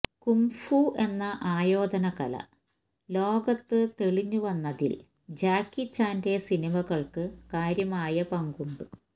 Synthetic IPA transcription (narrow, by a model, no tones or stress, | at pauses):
kumfuʔe̞nːɐʔaːjo̞ːd̪ɐnɐɣɐlɐ̰ | lo̞ːɡɐt̪ːɨt̪e̞ɭiɲːuʋɐnːɐðḭl | d͡ʑaːkːit͡ɕːaːnde̞sinimɐɣɐɭkɨkaːɾjɐmaːjɐpɐŋɡuɳɖu